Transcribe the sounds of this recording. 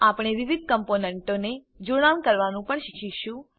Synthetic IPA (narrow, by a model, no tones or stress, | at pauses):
apɽ̃eʋiʋid̪̚ʱkəmponɛɳʈone | d͡ʒoɽ̃amkəɾʋanũpəɳʃikʰiʃũ